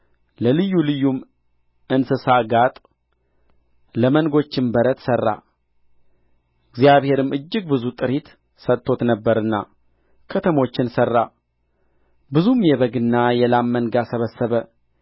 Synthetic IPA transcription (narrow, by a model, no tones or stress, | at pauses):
ləlɨjːulɨjːum | ɨnsɨsaɡat̪ʼ | ləmənɡo̞t͡ʃːɪmbəɾət̪sərːa̰ | ɨɡzijaβhe̞ɾɨmʔɨd͡ʒːɪɡ̚bɨzut̪ʼɨɾit̪ | sət̪ʰʼːo̞t̪nəbːəɾɨnːa̰ | kʰət̪ʰəmo̞t͡ʃːɪnsərːa̰ | bɨzumjɛβəɡɨnːajɛlamːənɡasəβəsːəβə